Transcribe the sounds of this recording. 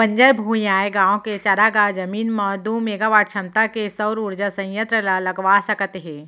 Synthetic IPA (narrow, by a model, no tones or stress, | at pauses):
pɐ̃ɲd͡ʒəjbʱuːiaːeɡãːõket͡ʃaɾaɡaːd͡ʒɐmiːnmɐd̪umeːɡaːʋaːʈ̚t͡ʃʰɐmt̪akesɐwɾuɾd͡ʒəsɐ̃jjə̃t̪ɾəlalɐɡʋaːsɐkət̪ɦɛ̃ː